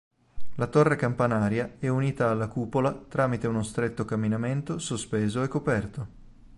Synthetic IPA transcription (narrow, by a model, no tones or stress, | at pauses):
lat̪ɔrːekampanaːɾjaɛuniːt̪aːlːakuːpolat̪ɾaːmit̪eunost̪ɾet̪ːokamːinament̪osospeːzoɛkːopɛrt̪o